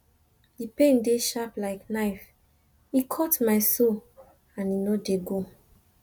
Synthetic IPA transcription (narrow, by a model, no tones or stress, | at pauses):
dipẽndeʃaplaɪknaɪf | ikʰɔtmaɪso | ãninɔdeɡo